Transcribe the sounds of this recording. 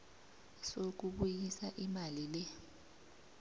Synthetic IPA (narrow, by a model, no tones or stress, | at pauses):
sok̬uɓujisaʔimalilɛ